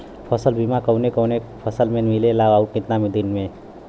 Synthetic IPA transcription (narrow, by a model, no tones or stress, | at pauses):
pʰəsəlbʱimakəwnekəwnepʰəsəlmẽmilelaʋaukɪ̃t̪namid̪inmẽ